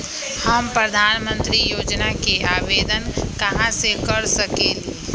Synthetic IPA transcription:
həmpɾəd̪ʱaːnmə̃nt̪ɾijoːd͡ʒnakeʔaːʋeːd̪ənkəɦãsekəɾsəkeli

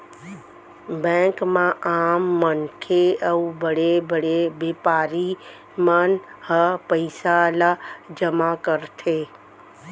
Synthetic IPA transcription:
bɛ̃ːkmãʔaːmːənkʰeəubəɽebəɽebɪpaːɾi | mənhəpəɪsalad͡ʒəmakəɾt̪ʰe

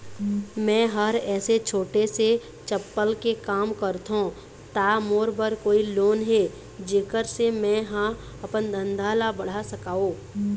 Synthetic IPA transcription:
mɛ̃ːɦəɾɛːset͡ʃʰoːʈese | t͡ʃəpːəlkekaːmkəɾt̪ɦõ | t̪aːmoːɾbəɾkoːiloːnɦe | d͡ʒeːkəɾsemɛ̃ɦã | ɐpənd̪ʱə̃nd̪ʱaːlabəɽ̤asəkaːoː

